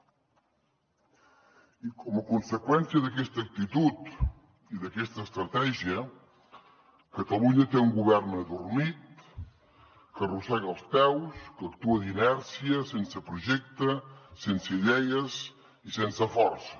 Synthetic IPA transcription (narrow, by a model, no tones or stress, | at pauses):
ikɔməkunsəkwɛnsijəðəkɛst̪ək̚t̪it̪ut̪ | iðəkɛst̪əːst̪ɾət̪ɛʒiə | kət̪əluɲət̪euŋɡuβɛrnəðurmit̪̚ | kərusɛɣəlˠspɛwskəkt̪uəðinɛɾsiəsensəpɾuʒɛk̚t̪əsensəʎɛjəs | isensəfɔrsə̥